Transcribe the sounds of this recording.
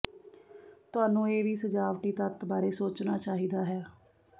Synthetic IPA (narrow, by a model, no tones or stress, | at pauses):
t̪ʊaːnũːeːʋiːsəd͡ʒaːʋʈiːt̪ət̪baːɾeːsoːt͡ʃnaːt͡ʃaːɦiːd̪aːɦɛː